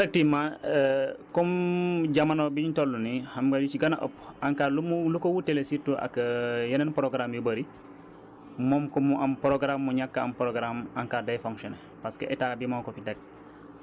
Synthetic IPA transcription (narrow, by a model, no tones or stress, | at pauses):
tak̚tima | kɔmɟamanobiɲtolːunihamɡadut͡ʃiɡanaʔo̰paŋkalumulukowutelesitːuʔa̰kjɐnenpɾoɡɾamjubɐɾi | mɔmkɔmuʔampɾoɡɾamːuɲakːaampɾoɡɾamaŋkadajfoŋkʃɔne | paskeʔɛtabimaŋkofidak̚